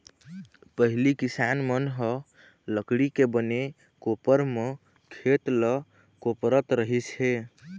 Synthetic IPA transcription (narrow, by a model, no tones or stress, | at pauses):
pəɦilikisanmənɦə | ləkɽikebəne | kopəɾme | kʰet̪lə | kopɾət̪ɾəɦit͡ʃɦe